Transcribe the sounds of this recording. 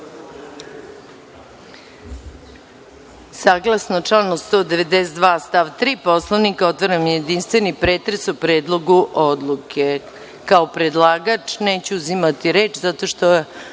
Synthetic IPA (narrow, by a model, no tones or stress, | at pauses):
saːɡlˠasnot͡ʂlanost̪o̞ːd̪e̞ʋed̪eset̪d̪ʋaːst̪aʋt̪ɾiːpo̞slˠoʋnikaot̪ʋoɾamje̞d̪inst̪ʋenipɾe̞t̪ɾesupɾeːd̪lˠo̞ɡuʔod̪lˠukʰe̞ | kaopɾed̪lˠaːɡat͡ʃneːt͡ɕuuzimat̪iɾeːt͡ʃzat̪o̞ʃt̪o